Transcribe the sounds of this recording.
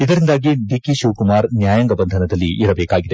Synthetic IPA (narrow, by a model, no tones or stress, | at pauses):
id̪ɐɾind̪aːɡiɖikiʃuʋkumaːɾnjaːjɐŋɡɐbɐnd̪ʱɐnɐd̪ɐlːiʔːɾɐbɛːkaːɡid̪e